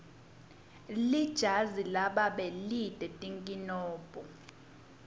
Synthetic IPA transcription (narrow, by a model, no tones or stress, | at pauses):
lid̥ʒ̥ʱazilaɓaɓɛlid̥ʱʼɛtʼiŋkʼinɔːpʼɔ